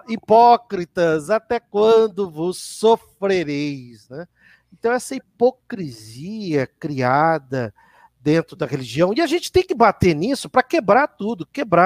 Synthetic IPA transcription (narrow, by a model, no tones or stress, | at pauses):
ipɔkɾit̪ɐzat̪ɛkwɐ̃d̪ʊvʊsofɾeɾejznɛ | ẽnt̪ɐ̃w̃ɛsɐipokɾiziɐkɾiad̪ɐ | d̪ẽnt̪ɾʊd̪ɐɦeliʒiɐ̃w̃iaʒẽnt͡ʃɪ̥t̪ẽj̃kɪbat̪eɾnisʊpɾɐkebɾaɾt̪ud̪ʊkebɾa